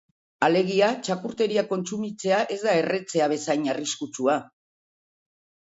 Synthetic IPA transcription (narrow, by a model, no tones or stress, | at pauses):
ale̞ɣ̞iat͡ʃakuɾt̪e̞ɾiako̞nt͡sumit͡se̞aʔe̞zd̪ae̞re̞t͡se̞aβ̞e̞sajɲariskut͡sua